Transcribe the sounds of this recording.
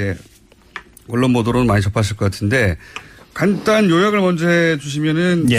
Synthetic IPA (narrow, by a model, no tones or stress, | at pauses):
e | ʌɭːonbodoɾonɯnmaɲit͡ɕʌpʰaɕ̬ʰiɭk͈ʌk͈atʰɯnde̞kant͈anjojaɡɯɭmʌnd͡ʑeɦed͡ʑuɕ̬ʰimjʌnɯn